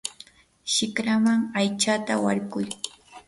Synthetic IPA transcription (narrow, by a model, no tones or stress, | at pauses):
ʃɪkɾamaŋajt͡ʃat̪awa̰ɾɢʊj